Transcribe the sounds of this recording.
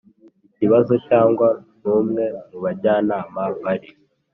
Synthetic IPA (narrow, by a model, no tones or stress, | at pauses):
iciβazo̞caːŋɡwanuːmŋe̞nuβaɟaːnaːmaβaɾi